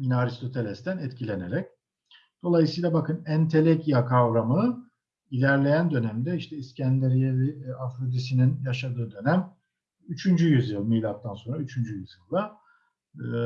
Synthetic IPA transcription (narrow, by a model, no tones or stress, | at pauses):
minaɾist̪ʰo̞t̪ʰe̞lʲɛst̪ænɛt̪cʰilʲe̞neɾɛc̚ | d̪̥o̞lˠajɯsɯjlˠabakʰɯnænt̪ʰe̞lʲecijakʰavɾamɯ | ilʲæɾlʲe̞jænd̪ø̞næmd̪ɛiʃt̪ʰɛiscʰænd̪eɾijeliafɾod̪isininjaʃad̪ɯːd̪ø̞næm | yt͡ʃʰynd͡ʒyjyzjɯlˠmijlʲap̚t̪ʰanso̞nɾayt͡ʃʰynd͡ʒyjyzjɯlˠd̪a